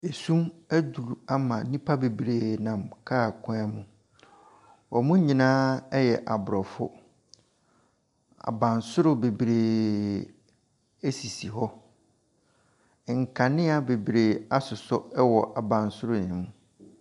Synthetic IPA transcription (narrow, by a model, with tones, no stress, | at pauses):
e˨sũ˦mæ˦du˨ɾu˨a˦mã˨nĩ˦pʰa˦be˨bɾeː˨nã˨mkʰa˦˨kʰʊ̃˦ɛ˦mũ˨ | ɔ˨mũ˦ɲĩ˨nãː˦ɛ˦jɛ˨ʔa˨bʊ˨ɾɔ˨fʊ̰˦ | a̰˨bã˨nsʊ˦ɾʊ˨be˨bɾeː˨ | e˦si˨si˨ɦɔ˦˨ | ŋ̩˨kʰã˨nɪ̃˦a˨be˨bɾe˨a˦sʊ˨sɔ˦ɛ˦wɔ˨ʔa˨bã˨nsʊ˦ɾʊ˦˨ɪ̃˨˦m˦